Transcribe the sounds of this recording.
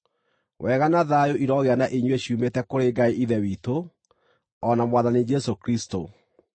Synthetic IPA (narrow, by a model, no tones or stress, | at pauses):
wɛːɣanaðajoʔiɾɔɣeanaʔeɲweɕiuːmetɛkoɾeɡaiʔiðɛwiːto | ɔnamwaðanid͡ʒɛsokɾisto̰